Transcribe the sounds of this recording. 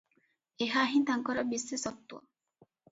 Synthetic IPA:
eɦaːɦint̪aŋkɔɾɔbisːesɔt̪ːuɔ̰

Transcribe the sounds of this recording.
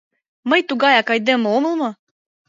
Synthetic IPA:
məjt̪uɣɑjɑkɑjd̪ə̆momə̆lmɤ̆

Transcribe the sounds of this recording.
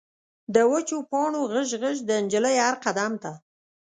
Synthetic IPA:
d̪əwət͡ʃopɑɳoɣəʒɣəʒd̪ənd͡ʒələjaɾqad̪amt̪a

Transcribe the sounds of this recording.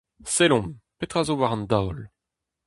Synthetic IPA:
selɔ̃mpet̪ʁazovaʁɑ̃nd̪awl

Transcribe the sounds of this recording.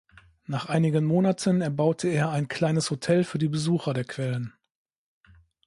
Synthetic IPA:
naːχʔaɪnɪɡənmoːnatʰənɛɐbaʊtʰəeːɐaɪnkʰl̥aɪnəshotʰɛlfyːɐdiːbəzuːxɐdeːɐkv̥ɛlən

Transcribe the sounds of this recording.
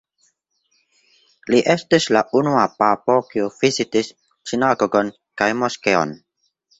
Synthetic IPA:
liʔe̞stislaʔunuapapo̞kiuv̥izitis | t͡ʃinaɡoɡon | kajmoskeo̰n

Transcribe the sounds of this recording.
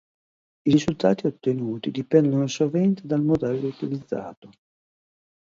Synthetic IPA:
iɾizult̪aːt̪iot̪ːenuːt̪id̪ipɛnd̪onosovɛnt̪ed̪almod̪ɛlːlːout̪ilid̪zːa̰ːt̪o

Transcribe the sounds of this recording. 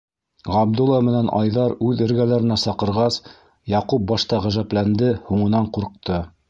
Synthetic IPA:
ʁɑb̚d̪ulˠːɑmɘ̆nænʔɑjðɑɾʉðɘ̆ɾɡælæɾɘ̆næsɑqɤ̆ɾʁɑs | jɑqup̚bɑʃt̪ɑʁæʒæplænd̪ɘhuɴɤ̆nɑɴquɾq̚t̪ɤ

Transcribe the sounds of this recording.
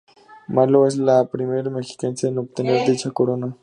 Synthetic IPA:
maloes̬lapɾimeɾmexi̥kensenop̚t̪eneɾd̪it͡ʃʰakoɾona

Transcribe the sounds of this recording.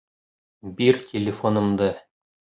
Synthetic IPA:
biɾtʲɪlʲɪfonɤ̆md̪ɤ

